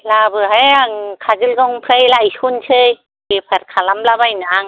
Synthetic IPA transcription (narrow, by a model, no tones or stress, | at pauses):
labɯɦajaŋkʰazɯlɡɔŋpʰɾajlajsunsʰɯj | bipʰaɾkʰalamlabajnaaŋ